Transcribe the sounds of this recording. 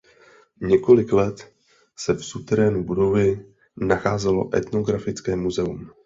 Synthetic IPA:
ɲɛko̞lɪklɛt̪ | sɛfsut̪ɛɾɛːnubudo̞vɪ | naxaːzɛlo̞̰ʔɛ̰t̪no̞ɡɾafɪt͡skɛːmuzɛum

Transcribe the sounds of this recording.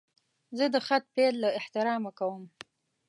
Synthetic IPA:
zəd̪əxat̪̚pelːaɪht̪ɪɾɑmakawəm

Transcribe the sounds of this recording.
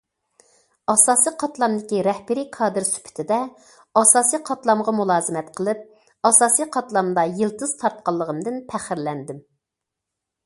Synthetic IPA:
ɑsɑːsiqʰɑt̪lˠɑmd̪ɪkʲiɾɛhbɪɾikʰɑːd̪ɨɾsy̥pʰɪ̥t̪ʰɪd̪ɛ | ɑsɑːsijqʰɑt̪lˠɑmʁɑmulˠɑːzɨmɛt̪qʰəlˠɨp̚ | ɑsɑːsijqʰɑt̪lˠɑmd̪ɑjɨlˠt̪ɨz̥t̪ʰɑɾt̪̚qɑlˠːəʁəmd̪ɨnpʰæχɪɾlɛnd̪ɪm

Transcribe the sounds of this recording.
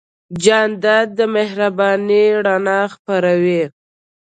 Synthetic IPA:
d͡ʒɑnd̪ad̪̚d̪əmɪhɾabɑniɽanɑxpaɾawi

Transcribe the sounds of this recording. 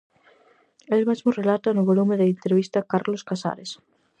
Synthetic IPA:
elmezmʊrelat̪anʊβolumẽðeint̪ɾeβ̞ist̪akaɾloskasa̰ɾes

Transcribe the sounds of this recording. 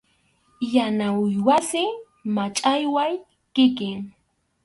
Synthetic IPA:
janaʊjwasɪ | mat͡ʃʼajwaj | kɪkɪŋ

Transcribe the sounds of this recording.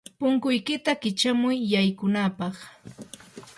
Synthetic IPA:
pʊŋkʊjkɪt̪akɪt͡ʃamʊjːajkʊnapɑχ

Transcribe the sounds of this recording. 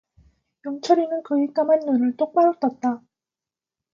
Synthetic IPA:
jʌŋt͡ɕʰʌɾinɯnkɯik͈amanːunɯɭt͈ok̚p͈aɾʌk̚t͈ʌt̚t͈a

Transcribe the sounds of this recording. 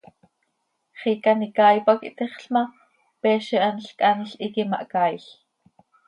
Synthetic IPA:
χikanikɑːjpɑkḭʔt̪iχɬmɑ | pɛːʃiʔanɬkʼanɬʔikimɑ̰ʔkɑːiɬ

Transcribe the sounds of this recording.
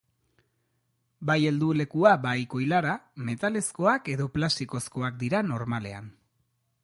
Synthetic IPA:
baje̞ld̪ule̞kuabajko̞jlaɾame̞t̪ale̞sko̞ake̞ðo̞plasiko̞sko̞akd̪iɾano̞ɾmale̞̰a̰n

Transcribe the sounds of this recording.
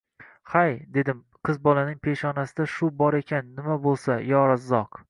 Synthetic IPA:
hajd̪e̞d̪ɪm | qʰɨzbɒlanɪŋpʰe̞ʃɒnasɪd̪aʃʊbɒɾe̞kʲʰanːɪmabolˠsajɒɾazːɒq

